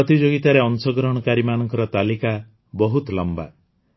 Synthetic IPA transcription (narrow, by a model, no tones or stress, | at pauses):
ɔt̪id͡ʒoɡit̪aɾeɔnsɔɡɾɔɦɔɽ̃ɔkaɾimanɔŋkɔɾɔt̪alika | bɔɦut̪lɔmba̰